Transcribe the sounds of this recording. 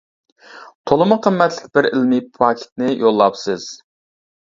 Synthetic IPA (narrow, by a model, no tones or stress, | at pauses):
t̪ʰolˠɨmʊqʰəmːɛt̪lɪkʲb̥ɪɾɪlmipʰɑkʲʰɪ̥t̪̚nɪjʔolˠːɑpsɨz̥